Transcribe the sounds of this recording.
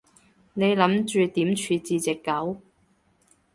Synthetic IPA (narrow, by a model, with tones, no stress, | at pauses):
ne˨˧jlɐ˨˥mt͡ʃyː˨˧t̪iː˨˥mt͡ʃʰyː˨˧t͡siː˨˧t͡sɪ˨kːɐ˨˥w